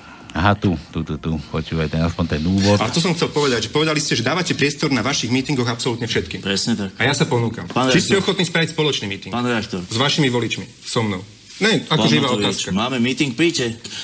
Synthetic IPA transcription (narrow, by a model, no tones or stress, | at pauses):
aɦat̪ut̪ut̪ut̪upɔt͡ʃuːʋajt̪ɛnaspɔɲt̪ɛnuːʋɔt̪alɛt̪ɔs̬ɔmxt͡sɛlpɔʋɛd̪aɟʒɛpɔʋɛd̪aliscɛʒɛd̪aːʋacɛpɾɪɛst̪ɔɾnaʋaʃiɣmiːt̪iŋɡɔɣapsɔlut̪ɲɛfʃɛt̪kiːmpɾɛsɲɛt̪akajasapɔnuːka̰mat͡ʃiscɛɔxɔt̪niːspɾaʋicspɔlɔt͡ʃniːmiːt̪iŋɡpaːnɾɛak̚t̪ɔɾzʋaʃimiʋɔlit͡ʃmi | sɔmnɔʊ | ɲɛakɔʒiʋaːɔt̪aːskamaːmɛmit̪iŋk̚pɾiːcɛ